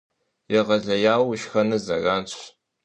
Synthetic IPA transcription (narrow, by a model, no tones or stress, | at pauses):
jɛʁɐɮɐjaːwʊʃxɐnɨzɐraːnt͡ɕʰʷʼ